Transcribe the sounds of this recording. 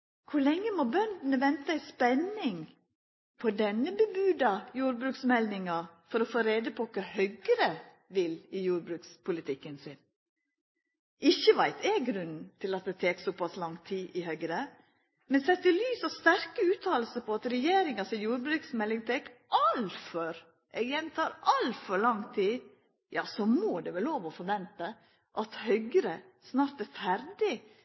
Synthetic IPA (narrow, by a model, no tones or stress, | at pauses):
kʰʊlɛŋːəmobœnd̪n̩əʋɛnt̪əæɪspɛnɪŋ | pʰɔd̪ɛnːəbəbʉːd̪ɑjuːɾbɾʉːksmɛlnɪŋɑfɔɾɔfoːɾeːd̪əpʰɔkʰɑhœɡɾə | ʋɪlɪjuːɾbɾʉːkspʰʊlɪt̪ʰɪkːənsɪn | ʔɪçːəʋæɪt̪ɛɡɾʉnn̩t̪ʰɪlɑt̪̚d̪ɛt̪ʰeːksɔpʰɑslɑŋt̪ʰiːʔɪhœɡɾə | mɛnsɛt̪ːɪlyːsɑʋst̪æɾkəʉːt̪ʰɑːl̩səpʰɔɑt̪ɾɛjeːɾɪŋɑsɪjuːɾbɾʉːksmɛlːɪŋt̪ʰɛːkʔɑlfɔɾ | ʔɛɡjɛnt̪ʰɑːɾʔɑlfɔɾɭɑŋt̪ʰiː | jɑ̰ːsɔmoːd̪ɛʋɛloːʋɔfɔɾʋɛnt̪ə | ʔɑt̪hœʏɡəɾə | snɑːɾt̪ɛfæɾd̪ɪ